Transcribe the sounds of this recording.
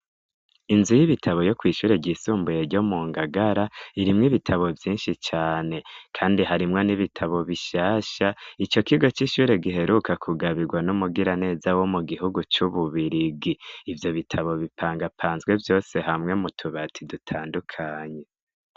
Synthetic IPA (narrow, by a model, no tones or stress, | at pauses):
inzujiβitʰaβo̞jo̞kwiːʃuːɾe̞ɟiːsuːmbuje̞ɾɟo̞muːŋɡaɡaɾaiɾimŋiβitʰaβo̞vjiːnʃit͡ʃaːne̞kʰaːndiɦaɾimŋo̞niβitʰaβo̞βiʃaːʃait͡ʃo̞kiɡo̞t͡ʃiʃuːɾe̞ɡiɦe̞ɾukakʰuɡaβiɡwanumuɡiɾane̞ːzawo̞muɡiɦuɡut͡ʃuβuβiɾiɡiːvjo̞βitʰaβo̞βipʰaːŋɡapʰaːnzɡwe̞vjo̞ːse̞ɦamŋe̞mutʰuβatʰidutʰaːndukʰaːɲe̞